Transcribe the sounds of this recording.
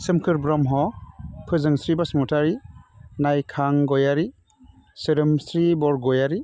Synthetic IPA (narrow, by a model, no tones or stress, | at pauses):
sɯmkʰɯɾbɾɔmɦɔpʰɯzɯŋsɾibasmutaɾinajkʰaŋɡɔjaɾi | sɯɾɯmsɾibɔɾɡɔjaɾi